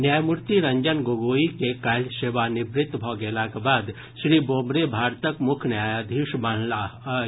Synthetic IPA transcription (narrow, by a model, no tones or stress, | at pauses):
njaːjmʊɾt̪iɾɐ̃ɲd͡ʒənɡoɡoːikekajlʃeːʋanɪbɾɪt̪bʱɔːɡeːlakebaːd̪ | ʃɾiːboːmɾebʱaːɾt̪əkmʊkʰnjaːjaːd̪ʱiʃban̤la